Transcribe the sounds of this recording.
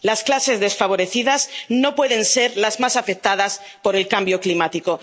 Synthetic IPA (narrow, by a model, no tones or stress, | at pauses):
lasklase̞zðe̞sfaβo̞ɾe̞θiðazno̞pwe̞ð̞ẽ̞nse̞ɾlazmasafek̚t̪að̞as | po̞ɾe̞lkambjo̞klimat̪iko̞